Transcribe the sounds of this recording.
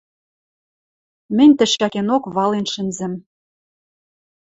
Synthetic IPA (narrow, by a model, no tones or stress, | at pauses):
mɘ̆nʲt̪ɘ̆ʃɑkenokβɑlenʃɘ̆nzɘ̆m